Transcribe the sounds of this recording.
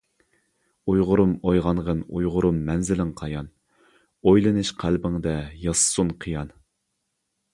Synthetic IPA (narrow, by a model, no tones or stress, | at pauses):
ujʁʊɾumojʁɑnʁənṵjʁʊɾumːɛnzɪlɪŋqʰɑjɑn | ojlˠɨnɨʃqʰælbɪŋd̪ɛjɑsɨ̥sunqʰɨjɑn